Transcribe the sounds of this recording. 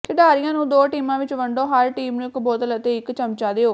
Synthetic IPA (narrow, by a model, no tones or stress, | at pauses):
kɪɖaːɾɪjãːnũːd̪oːʈiːmãːʋɪt͡ʃʋəɳɖoːɦəɾʈiːmnũːɪkbɔːt̪lət̪eːɪkt͡ʃəmt͡ʃaːd̪eːoː